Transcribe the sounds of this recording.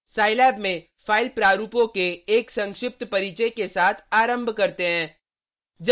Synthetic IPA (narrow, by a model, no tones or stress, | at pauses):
saːɪlɛːbmẽ | faːɪlpɾaːɾuːpõkeeːksɐ̃ŋkʃɪp̚t̪pɐɾiːt͡ʃəjkesaːt̪ʰaːɾə̃mbʱkɐɾt̪eɦɛ̃ː | d͡ʒ